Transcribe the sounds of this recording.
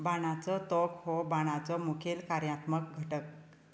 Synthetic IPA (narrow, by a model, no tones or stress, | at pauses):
baɽ̃at͡sɔt̪ɔkhɔbaɽ̃at͡sɔmukʰelkaɾjat̪mək̚ɡʱəʈək̚